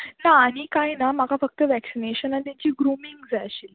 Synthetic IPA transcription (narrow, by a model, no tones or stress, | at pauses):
naːɽ̃ikajnamakafək̚t̪əʋæksineɕənat̪at͡ɕiːɡɾumiŋɡd͡zajɕil